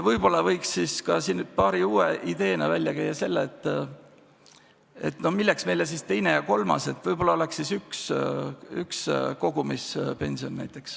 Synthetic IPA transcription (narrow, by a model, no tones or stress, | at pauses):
vɤjb̥o̞lːɑvɤ̞jksːiskɑsinːy̥pɑːɾiuːeʔid̪̥e̞ːnɑvælʲjɑkæjːɑse̞lːeːt̪ːˑ | e̞̰t̪ːno̞hmilːeksme̞jles̬ist̪e̞jne̞jɑko̞lmɑ̰se̞t̪ːvɤjb̥o̞lːɑo̞lɛksːisyks | yksko̞ɡ̥umispe̞nʲsio̞nːæjt̪ːˑe̞ks